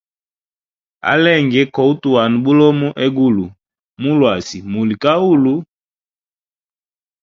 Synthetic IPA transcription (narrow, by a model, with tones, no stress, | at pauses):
a̰˦lɛ˦˨ŋɡɛ˦kɔ˨u˦tu˨wa˨nu˨bu˦lɔ˦mu˦ʔɛ˦ɡu˦˨lu˨ | mu˦lwa˨si˨mu˨li˨ka˦u˦lu˦